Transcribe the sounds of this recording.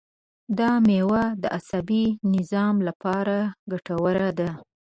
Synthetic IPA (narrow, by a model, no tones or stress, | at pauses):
d̪ɑmewad̪əʔasabinɪzɑmlapɑɾaɡaʈawəɾad̪a